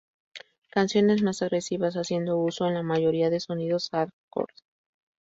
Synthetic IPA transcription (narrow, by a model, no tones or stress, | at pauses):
kansjo̞ne̞zmasaɣɾe̞siβasasje̞nd̪o̞uso̞enlamaʝo̞ɾiaðe̞so̞niðo̞saɾko̰ɾd